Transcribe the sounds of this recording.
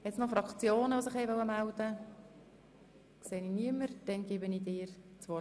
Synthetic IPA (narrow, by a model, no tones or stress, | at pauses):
jɛtsnɔfɾɑkt͡sjoːnəʋosɪχhɛjʋœwəmæld̪ə | kseːniniəməɾd̪̥ɛnɡ̥ɪbəniːd̪ɪːɾt͡sʋɔ